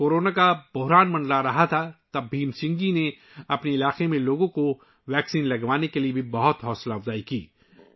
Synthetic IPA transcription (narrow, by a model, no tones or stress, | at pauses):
koːɾoːnakabʊɦɾaːnmɐ̃nɖlaɾɐɦat̪ʰat̪ɐbːʱiːmsɪ̃ŋɡɡine | ɐpneɪlaːqemẽloːɡõko | ʋɛːksiːnlɐɡʋaːnekeliebʱibɐɦʊt̪ɦɔːslaːfzaːikiː